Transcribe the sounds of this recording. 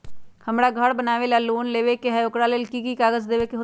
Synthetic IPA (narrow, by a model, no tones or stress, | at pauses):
kʰəmɽaːɡʱəɽbənaːʋeːlaːluːnleːʋeːkeɦəjoːkɽaːləlkiːkiːkaːɡəd͡ʒd̪eːʋeːkeɦʊ